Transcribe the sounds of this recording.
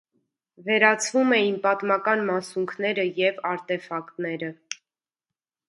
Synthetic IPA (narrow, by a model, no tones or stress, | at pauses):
vɛɾɑt͡sʰvumɛjinpɑt̪mɑkɑnmɑsuŋkʰnɛɾəjɛvɑɾt̪ɛfɑkt̪nɛɾə